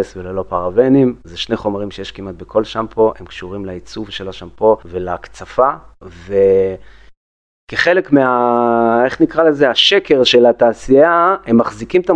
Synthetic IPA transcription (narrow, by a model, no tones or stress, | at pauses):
svelelo̞paʁavenimzeʃneχo̞maʁimʃe̞jeʃkimat̪̚bekʰo̞lʃampʰo̞ʔe̞mkʃuʁimlait͡suvʃe̞laʃampo̞ve̞lakt͡safave | keχe̞le̞kmeae̞χnikʁale̞zeaʃeke̞ʁʃe̞lat̪aːsiaemːaχzikimt̪a